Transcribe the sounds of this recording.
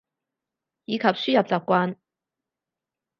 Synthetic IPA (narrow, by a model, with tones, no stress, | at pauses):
jiː˨˧kʰɐ˨p̚syː˥jɐ˨˩p̚t͡saː˨p̚kʷaː˧n